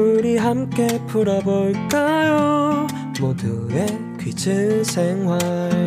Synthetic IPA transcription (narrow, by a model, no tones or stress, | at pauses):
ɾiɦamk͈e̞pʰuɾʌboɭk͈ajo | modɯe | kɥit͡ɕʰɯɭsʰeŋɦwa